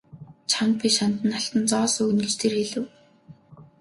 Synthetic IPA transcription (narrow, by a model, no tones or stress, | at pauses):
t͡ɕʰamk̪̚piːʃant̪ə̆nːaɬt̪ə̆nt͡sɔːsɵːɣɵ̆nɡet͡ɕt̪ʰerxeɮɘ̆w